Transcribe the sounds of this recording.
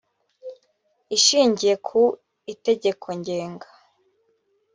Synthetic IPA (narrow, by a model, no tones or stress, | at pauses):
iʃiːɲɟije̞kʰu | ite̞ɟe̞kʰo̞ɲɟe̞ːŋɡḁ